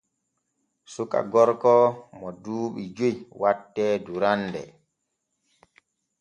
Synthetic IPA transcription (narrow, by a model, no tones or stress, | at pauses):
suka̰ɡɔɾkɔmɔduːɓid͡ʒojwatːɛːduɾanːdɛ̰